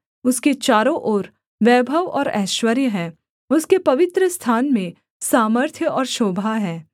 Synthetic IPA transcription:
ʊsket͡ʃaːɾõʔoːɾ | ʋɛːbʱəʋɔ̰ːɾɛ̰ːʃwəɾjəɦɛ̃ː | ʊskepɐʋɪt̪ɾəst̪ʰaːnmẽ | saːməɾt̪ʰjəɔːɾʃoːbʱaːɦɛ̃ː

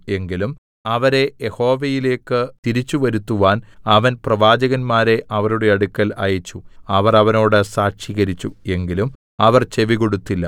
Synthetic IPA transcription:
e̞ŋɡilum | ɐʋɐɾe̞jeho̞ːʋejile̞ːkːɨt̪iɾit͡ɕːuʋɐɾut̪ːuʋaːnɐʋɐnprɐʋaːd͡ʑɐɣɐnmaːɾe̞ʔɐʋɐɾuɽe̞ɐɽukːɐlɐ̰jɐt͡ɕːuɐʋɐrɐʋɐno̞ːɽɨsaːkʂiɣɐɾit͡ɕːue̞ŋɡilum | ɐʋɐrt͡ɕe̞ʋiɣo̞ɽut̪ːilːɐ

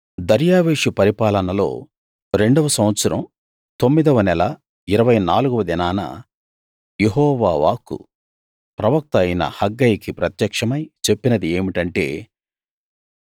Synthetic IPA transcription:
d̪ɐɾjaːʋeːʂipɐɾipaːlɐnɐlo̞̰ː | ɾe̞ɳɖɐʋɐsɐmʋɐt̪sɐɾɐ̰m | t̪o̞mːid̪ɐʋɐnɛlɐ | iɾɐʋɐjnaːluɡuʋɐd̪inaːnɐ̰ | jeɦɔːʋaːʋa̰ːkːṵ | pɾɐʋɐk̚t̪ɐjnɐ̰hɐɡːɐjikipɾɐt̪jɐkʂɐmɐjt͡ʃe̞pːinɐd̪ie̞ːmiʈɐɳʈe̞̰ː

